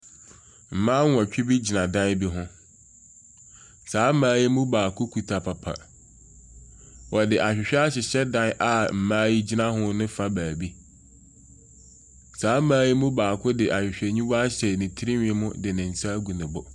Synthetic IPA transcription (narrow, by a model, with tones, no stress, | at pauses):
m̩˨mãː˦wɔ̃˨t͡ɕᶣɪ˦bi˦d͡ʑi˨nã˨dã˦bi˦ɦʊ̃˦ | saː˨˦mãː˦ji˦mũ˦baː˨kʰʊ˦kʰu˨tʰa˨pʰa˨pʰa̰˨ | wɔ˨dɪ˨ʔa˨ɕᶣɪ˨ɕᶣɛ˦a˦ɕ̬ɪ˨ɕɛ˦dã˦nʔa˨m̩˨mãː˦ji˦d͡ʑi˦nã˦ɦʊ̃˦nɪ̃˦fa˦baː˨bi˦ | saː˨˦mãː˦ji˦mʊ̃˦baː˨kʰʊ˦dɪ˨ʔa˨ɕᶣɪ˨ɕᶣɛ˨ɲĩ˦ba˦ɕɛ˨nɪ̃˨tʰi˦ɾi˦ɲᶣ˨ɪ˨mʊ̃˦dɪ˨nɪ̃˨n̩˨sa˦ɡu˨nɪ̃˨bʊ˨